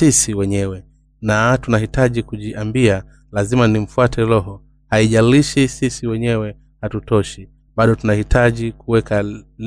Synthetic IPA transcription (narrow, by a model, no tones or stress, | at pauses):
isiwɛɲɛwɛ | natunahitaʄikuʄiʔambia | lazimanim̩fuatʰɛɾɔɦɔ | haiʄaliʃisisiwɛɲɛwɛ | hatutɔʃi | ɓaɗɔtunahitʰaʄikuwɛkal